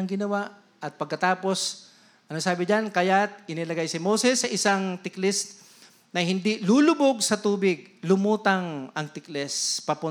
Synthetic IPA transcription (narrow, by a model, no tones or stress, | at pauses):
ɐŋɡɪnɐwaʔ | ʔɐt̪̚pɐɡ̚kɐt̪aːpo̞s | ʔɐnosaːbɪd͡ʒankɐjat̪̚ʔɪnɪlɐɡajsɪmosɛsːɐʔɪsaŋt̪ɪklɛs | nɐhɪnd̪iluːlʊboɡ̚sɐt̪uːbɪɡ̚lʊmuːt̪ɐŋɐŋt̪ɪklɛspɐpʊ